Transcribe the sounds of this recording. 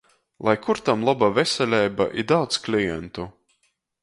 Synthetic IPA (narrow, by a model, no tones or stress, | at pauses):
lˠajkuɾt̪amlˠabavɛsʲɛlʲɛjba̰ʔid̪awt̪sklʲijɛ̰nt̪u